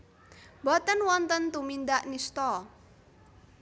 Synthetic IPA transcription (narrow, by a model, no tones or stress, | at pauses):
bɔt̪ənwɔnt̪ənt̪umind̪aʔnist̪ɔ